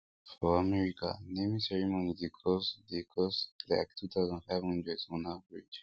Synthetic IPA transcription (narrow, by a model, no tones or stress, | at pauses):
fɔamɛɹika̰nẽmisɛɹimonid̪ekʰɔsd̪ekʰɔsla̰kt̪ʰut̪ʰawzə̃ndfaɪvhə̃ndɹesɔ̃navɹid͡ʒ